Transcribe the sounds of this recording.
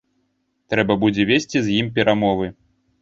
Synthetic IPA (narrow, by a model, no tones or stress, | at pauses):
t̪ɾɛbɐbud͡zʲɛvʲesʲt͡sʲizʲjimp̬ʲɛɾʔamɔvɨ